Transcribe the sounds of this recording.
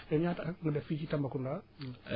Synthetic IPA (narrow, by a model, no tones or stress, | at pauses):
eɲataŋədafit͡ʃitambakunda